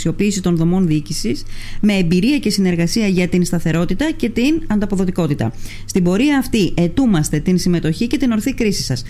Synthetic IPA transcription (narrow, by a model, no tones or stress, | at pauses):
sio̞piːsit̪o̞nðo̞mo̞nðiicisisme̞ːmbiɾiɐce̞sine̞ɾɣɐsiɐʝɐt̪inst̪ɐθe̞ɾo̞t̪it̪ɐce̞t̪inɐnd̪ɐpo̞ðo̞t̪iko̞t̪it̪ɐ̰ | st̪imbo̞ɾiɐːft̪iʔe̞t̪umɐst̪e̞t̪insime̞t̪o̞çice̞t̪ino̞ɾθikɾisisɐs